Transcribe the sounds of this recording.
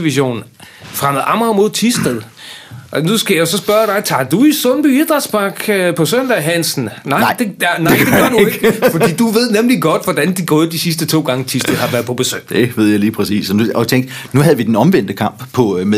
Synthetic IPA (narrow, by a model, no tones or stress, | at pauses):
iʋiɕo̝̰ːn | fʁamð̩ˠɑ̈mɐmo̝ð̰ˠt͡sʰisd̥eðˠ | ʔɒnusɡ̥æjæsɒ̽sb̥ɶɐɾ̥ɑ̈ɪt͡sʰɑ̈d̥uisɔnb̥yið̥ˠʁɑsb̥ɑ̈ɡ̥pʰɒ̽sœn̰d̥æɦæn̰sn̩nɑ̈ɪd̥e̥nɑeɪ̰d̥e̥ɡ̥ɶɐdueeɡ̥ɡfɒ̽dḭːd̥uʋe̝ð̰ˠnemliɡ̥ɒ̽d̥ʋɒd̥ænd̥iɡ̥ɔ̽ːð̞̩ˠd̥isisd̥ət͡sʰo̝̰ːɡ̥ɑ̈ŋət͡sʰisd̥eðˠhɑ̈ʋæɐpʰɒ̽b̥e̝sø̰̥ːd̥eʋe̝ð̞̰ˠjɑ̈ɪliːpʰʁɛsḭːsɒnuɒt͡sʰeŋd̥ | nuɦæð̩ˠʋid̥enɒ̽mʋen̰d̥əkʰɑ̈m̰b̥pʰɒ̽m